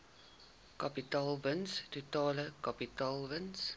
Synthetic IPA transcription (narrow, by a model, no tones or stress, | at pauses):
kapitɑːlvənstutɑːləkapitɑːlvəns